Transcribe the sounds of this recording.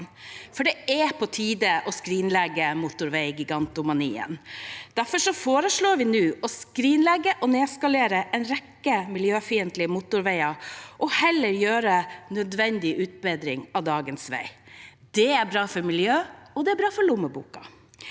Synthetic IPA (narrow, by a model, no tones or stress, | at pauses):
fɔɖɛæpʰɔt̪ʰiːd̪əʔɔskɾiːnlɛɡːəmʊt̪ʊɾʋɛɪɡɪɡɑnt̪ʊmɑniːə̰nd̪̥æɾfɔʂɔfoːɾəʂɭoːɾʋɪnʉːʔɔskɾiːnlɛɡːəʔɔneːskɑleːɾəʔɛnɾɛkːəmɪljøːfiːənt̪lɪmʊt̪ʊɾʋæɪɑʔɔhɛlːəɾjøːɾənœd̪ʋɛnd̪ɪʔʉːt̪̚bɛd̪ɾɪŋɑʋd̪ɑːɡənsʋæ̰ɪ | d̪̥ɛæɾbɾɑːfɔɾmɪljøːɔd̪ɛæɾbɾɑːfɔɾlʊmːəbṵːkɑ